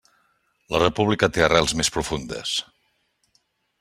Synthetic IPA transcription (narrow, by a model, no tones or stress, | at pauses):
lərəpuβlikət̪eərɛlˠzmespɾufund̪ə̰s